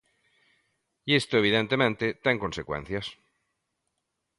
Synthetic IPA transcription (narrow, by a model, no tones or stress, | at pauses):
iest̪oeβ̞iðẽnt̪emẽnt̪et̪eŋkonsekwḛ̃n̟θjas